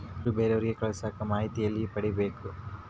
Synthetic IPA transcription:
ɾubeːɾeʋɐɾiɡekɐɭɐsaːkɐmaːɦit̪ijɐlːipɐɽibe̞ːku

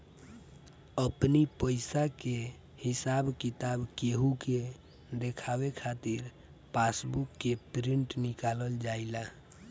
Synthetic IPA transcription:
əpnipəɪsake | hisabkit̪abkeɦuke | d̪ekʰabekʰat̪iɾ | pasbukːepɾiɳʈnikaləld͡ʒaila

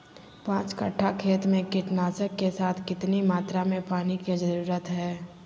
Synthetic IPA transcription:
pãːt͡ʃkə̰ʈʰːakʰeːt̪mẽkɪʈnaːsəkːesaːt̪ʰkɪt̪nimaːt̪ɾamẽpaːniked͡ʒɐɾuːɾət̪ɦɛː

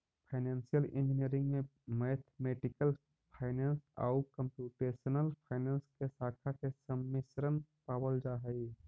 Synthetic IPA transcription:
pʰaɪnẽːnsijəlɪ̃nd͡ʒɪniəɾɪ̃ŋɡmẽ | meːt̪ʰmeːʈɪkəl | pʰaːɪneːnsa̰ːʊkə̃mpjuːʈeːsənəlpʰaːɪneːnskesaːkʰakesəmːɪsɾənpaːwəld͡ʒaːɦəi

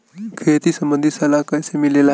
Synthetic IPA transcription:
kʰet̪iːsəmbənd̪ʱisəlakajsemilela

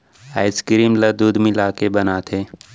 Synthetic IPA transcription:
aːɪskɾiːmləd̪uːd̪milaːkebɐnaːt̪ʰeː

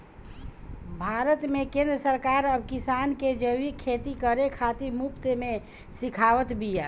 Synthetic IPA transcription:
bʱaːɾət̪mẽkẽːnd̪ɾəsəɾkaːɾəbkisaːnked͡ʒəʋikʰːeːt̪ikəɾekʰat̪imupt̪emẽ | sikʰaːʋət̪bijaː

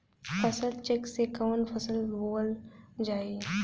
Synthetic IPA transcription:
pʰəsəlt͡ʃeksekaːnpʰəsəlboːld͡ʒaːi

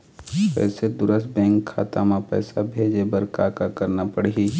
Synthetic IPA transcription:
pɛ̰ːsed̪ʊɾəst̪̚bɛ̃ːŋkʰːa̰ːt̪amãpɛ̰ːsabʱeːd͡ʒebəɾkaːkakɐɾnapɐɽii

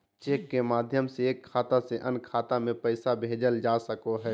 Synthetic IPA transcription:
t͡ʃeːkːemaːd̪ʱjəmseːkʰːaːt̪aseʔənkʰaːt̪amẽpəɪsabʱeːd͡ʒəld͡ʒaːsəkoɦɛː

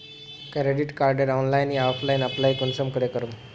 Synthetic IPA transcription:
kɾeɖiʈkaɾɖəɾɔnlajniaflajnaplaɦikuɳsəmkəɽekəɾuːn

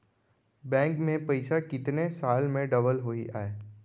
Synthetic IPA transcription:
bɛ̃ːŋkmẽpɐɪsakɪt̪nesaːlmẽɖɐbəlɦoḭʔaːeː

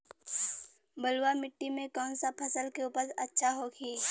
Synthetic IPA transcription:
bəlwamɪʈːimẽkɔːnsapʰəsəlkeuːpəɾɐtːʃʰaɦoɡiː

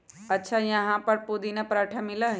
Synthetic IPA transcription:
ɐtːʃʰajɐɦãpɐɾpod̪inapɾaːʈʰamɪləɦ

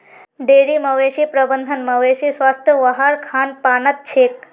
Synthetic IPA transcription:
ɖeːɾiməʋeʃipɾəbənd̪ʱənmɐʋeʃisʋaːst̪ʰjəʋɐɦaɾkʰaːnpaːnət̪̚t͡ʃʰeːk

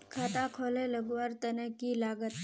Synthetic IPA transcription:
kʰaːt̪ãkʰoːlẽləɡʋaːɾt̪ənəkːilaːɡət̪

